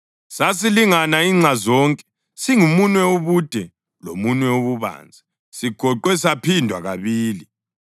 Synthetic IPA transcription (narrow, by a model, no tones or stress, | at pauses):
sasiliŋanaiːŋ͡ǀʱazɔːŋkʼɛ̥ | siŋumunwɛoβud̥ʱɛ | lo̰munwɛoβuβa̰ːnd͡zʱa | siɡ̥ʱɔǃwɛsapʰindʱwa̰ɣaβiːli